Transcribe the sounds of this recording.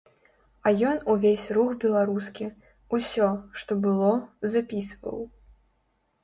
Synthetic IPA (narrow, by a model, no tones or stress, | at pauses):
ɐjɔnuvʲesʲruxbʲɛlˠaɾuskʲi | usʲɔʂt̪ɔbɨlˠɔzapʲisvɐ̰w